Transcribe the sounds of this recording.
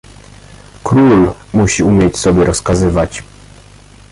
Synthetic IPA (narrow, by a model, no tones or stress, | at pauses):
kɾulmuɕiumʲjet͡ɕsɔbʲjɛɾɔskazɘvat͡ɕ